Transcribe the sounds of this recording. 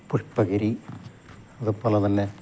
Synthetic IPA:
puʂpːɐɣɐɾi | ɐðɨpːoːlet̪ɐnːe

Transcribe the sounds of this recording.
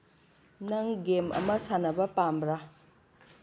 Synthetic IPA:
naŋɡemʔa̰masanabapamɾa

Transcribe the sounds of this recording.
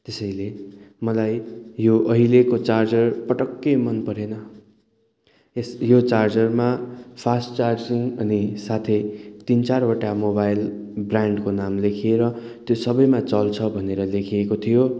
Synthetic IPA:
t̪esʌjlemʌlajjoʔʌɦilekot͡sard͡zʌrpʌʈʌkːejmʌnpʌɾenʌ | esjot͡sard͡zʌrmapʰasʈt͡sard͡ziŋʌnisat̪ʰet̪int͡sarbʌʈamobajlbraɳɖkonamlekʰieɾʌ | t̪josʌbʌjmat͡sʌlt͡sʰʌbʱʌneɾʌlekʰiekot̪ʰijo

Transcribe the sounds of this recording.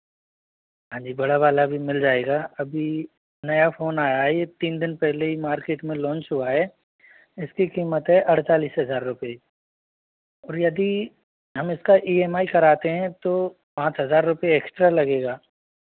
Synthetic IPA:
ɦãːd͡ʒiːbɐɽabaːlabʱimɪld͡ʒaːeːɡaɐbʱi | nɐjafoːnaːjaɦɛet̪iːnd̪ɪnpɛɦleɦimaːɾkeːʈmẽlɔ̃ːnt͡ʃɦuaɦɛː | ɪskikiːmət̪ɦɛʔɐɽt̪aːliːsɦɐzaːɾːʊpe | ɔːɾjɐd̪i | ɦɐmɪskaʔiːemaːikɐɾaːt̪eɦɛ̃t̪o | pãːt͡ʃɦɐzaːɾːʊpeːksʈɾalɐɡeːɡaː

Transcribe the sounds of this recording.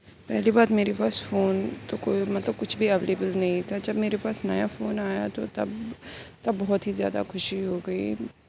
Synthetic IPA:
pɛːliːbaːd̪meːɾepaːsfʰoːnt̪okoːimɐt̪ləb̚kʊt͡ʃʰbʱiːəʋeːlebəlnɐĩːt̪ad͡ʒɐbmeːɾepaːsna̰jaːfʰoːnaːja̰ːt̪o̰ːt̪ɐ̰bt̪ɐbːɔːt̪ɦiːzja̰ːd̪a̰ːkʰʊʃiɦoːɡəḭː

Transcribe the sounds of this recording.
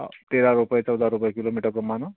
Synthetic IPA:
t̪eɾaɾupəjt͡sʌwd̪ʱaɾupəjkilomiʈəɡəmːanʌ

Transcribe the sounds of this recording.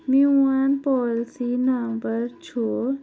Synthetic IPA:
miwanpɔːlsinəmbəɾt͡ʃʰoː

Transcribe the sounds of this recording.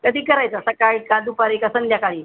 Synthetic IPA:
kəd̪iːkəɾajt͡səsəkaɭikad̪upaɾikasənd̪jakaɭiː

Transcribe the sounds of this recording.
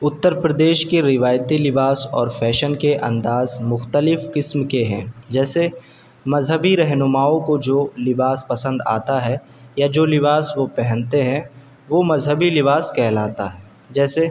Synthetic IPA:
ʊt̪ːəɾpɾəd̪eːʃkeɾɪʋaːjt̪ilɪbaːsɔːɾfʰɛːʃənkeʔɐ̰̃nd̪aːzmʊxt̪əlɪfkɪsmkeɦɛ̰̃ːd͡ʒɛːse | mɐzɦəbiɾɛɦnʊmaːõkod͡ʒoːlɪbaːspɐsə̃nd̪a̰ːt̪aɦɛ | jad͡ʒoːlɪbaːsʋopɛɦɛ̃nt̪eɦɛ̃ | ʋomɐzɦəbilɪbaːskɛɦlaːt̪a̰ɦɛː | d͡ʒɛːse

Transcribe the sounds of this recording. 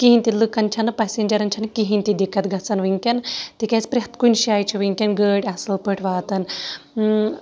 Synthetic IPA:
kiɦinʲt̪ilɨkɐnt͡ʃʰɐnɐpasenʲd͡ʒɐɾɐnʲt͡ʃʰanɨkiɦinʲt̪id̪ikʰɐt̪ɡʱɐt͡sɐnʋiŋkʲɐnt̪ikʲat͡spɾʲeɦt̪kunʃiaːjt͡ʃʰiʋɨŋkʲɐnɡəɽʲasɐlpəʈʰʋaːt̪ɐn

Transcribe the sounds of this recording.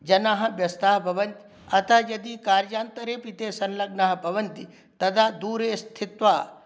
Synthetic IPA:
d͡ʒɐnaːɦɐ̆ʋjɐst̪ʰaːɦbʱɐʋɐnt̪i̥ | ɐt̪ʰɐɦjɐd̪ikaːɾjaːnt̪ɐɾeːpit̪eːsɐnlɐɡnaːɦɐ̆bʱɐʋɐnt̪i | t̪ɐd̪aːd̪uːɾeːst̪ʰɪt̪ʋaː

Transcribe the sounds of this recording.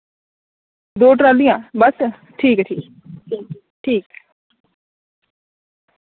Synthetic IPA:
d̪oːʈɾaːlijãːbəs | ʈʰiːkʈʰiː | ʈʰiːk

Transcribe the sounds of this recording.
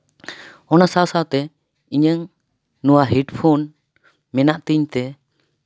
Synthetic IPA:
ɔnasawsawt̪ɛ | iɲəŋ | nuwaɦiʈpʰun | mɛnaʔt̪iɲt̪ɛ

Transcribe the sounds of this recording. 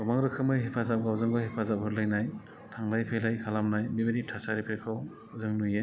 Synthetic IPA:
ɡɔmaŋɾɯkʰɯmɯjɦepʰazap̚ɡawzɯŋbɯhepʰazap̚ɦɯɾlɯjnaj | tʰaŋlajpʰejlajkʰalamnajbibeɾip̚tʰasaɾipʰejkʰaw | zɯŋnujɯ

